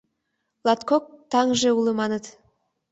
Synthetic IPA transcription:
lˠat̪kok̚t̪ʰɑŋʒeulˠəmɑnət̪

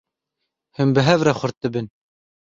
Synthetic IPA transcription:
hɨmbɨɦɛvɾɛxʊɾt̪̚ɨbɨn

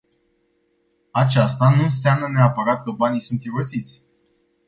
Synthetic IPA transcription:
at͡ʃast̪anuns̬amnəneapəɾat̪kəbanijsunt̪fiɾosit̪sʲ

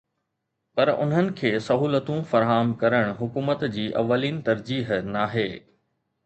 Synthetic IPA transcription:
pɐɾʊ̰nɦənɪ̆kʰeːsɐɦuːlət̪ũfɐɾɦaːmkɐɾəɽ̃ɦʊkuːmət̪d͡ʑiːʔɐ̰ʋːəliːnɪ̆t̪ɐɾd͡ʑiːɦnaːɦeː

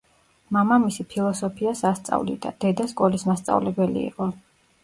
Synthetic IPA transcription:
mamamisipʰilˠɔsɔpʰiasast̪sʼa̰vlḭd̪a̰d̪̥ɛd̪askʼɔlismast̪sʼa̰vlɛbɛlḭːqʼɔ

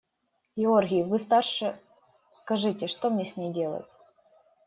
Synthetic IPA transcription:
ɡʲɪorɣʲɪjɪvɨst̪arʂɨ | skɐʐɨtʲɪʂt̪omnʲesʲnʲejdʲe̞lˠə̰tʲ

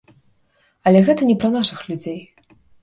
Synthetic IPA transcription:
ɐlʲɛɣɛt̪ɐnʲɛpɾɐnaʂɨxlʲud͡zʲej

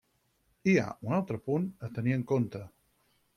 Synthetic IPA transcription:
ia̰unalˠt̪ɾəpunət̪əniəŋkont̪ə

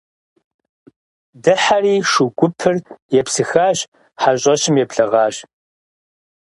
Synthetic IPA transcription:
dɨħariːʂuɡʷʼʊpʰɨrjɛpsɨxaːɕ | ħaɕʼɐɕɪmjɛpɬɐʁɑːɕ

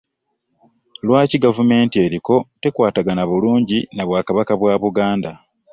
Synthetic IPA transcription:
lwaːciɡavume̞ːntie̞ɾiko̞te̞kwaːtaɡanaβuluːɲɟinaβwaːkaβakaβwaːβuɡaːnda

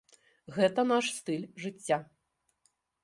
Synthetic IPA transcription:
ɣɛt̪ɐnaʂst̪ɨlʲʐɨt͡sʲːa

